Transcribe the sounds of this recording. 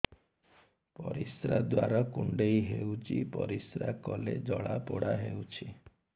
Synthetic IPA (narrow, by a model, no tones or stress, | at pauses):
pɔɾisɾad̪waɾɔkuɳɖejɦewt͡ʃipɔɾisɾakɔled͡ʒɔɭapɔɽaɦewt͡ʃʰi